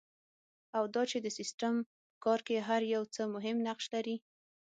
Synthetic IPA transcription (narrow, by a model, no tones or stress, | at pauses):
awd̪ɑt͡ʃed̪əsɪsʈam | pəkɑɾkeɦaɾjawt͡səmʊɦɪmnaqʃlaɾi